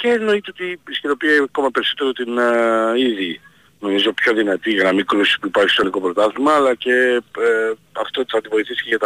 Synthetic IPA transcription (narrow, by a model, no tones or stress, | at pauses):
ceno̞it̪eot̪iisciɾo̞pieɐko̞mɐpe̞ɾiso̞t̪e̞ɾot̪iniði | no̞mizo̞pço̞ðinɐt̪iʝɐnɐmiɡɾusi̥spuipɐɾçist̪oniko̞pɾo̞t̪ɐθimɐːlɐce̞ | ɐft̪ot̪θɐnd̪ivo̞iθisi̥ceʝɐt̪ɐ